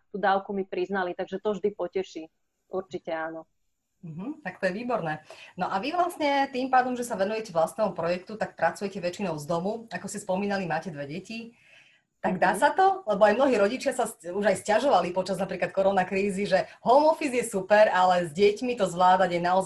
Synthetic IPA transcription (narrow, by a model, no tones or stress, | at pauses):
t̪uːd̪aːʊkumipɾiznalit̪aɡʒɛt̪ɔvʒd̪ipɔcɛʃiː | uɾt͡ʃicɛaːnɔ | m̩ɦm̩t̪akt̪ɔjɛʋiːbɔɾnɛːnɔʔaʋiʋlasɲɛt̪iːmpaːd̪ɔmʒɛsaʋɛnujɛcɛʋlast̪nɛːɦɔpɾɔjɛkt̪ut̪ak̚pɾat͡sujɛcɛʋɛt͡ʃinɔʊzd̪ɔmuakɔscɛspɔmiːnalimaːcɛd̪ʋɛɟɛci | t̪aɡd̪aːsat̪ɔlɛbɔajmnɔɦiːɾɔɟit͡ʃɪasasuʒajscaʒɔʋalipɔt͡ʃaznapɾiːklat̪̚kɔɾɔnakɾiːziʒɛɦɔmɔfizjɛsupɛɾalɛzɟɪɛcmit̪ɔzʋlaːd̪aɟɛnaɔ